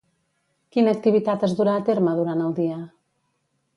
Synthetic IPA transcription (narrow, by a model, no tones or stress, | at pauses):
kinəːk̚t̪iβit̪at̪əzðuɾaːt̪eɾməðuɾanəlˠd̪iə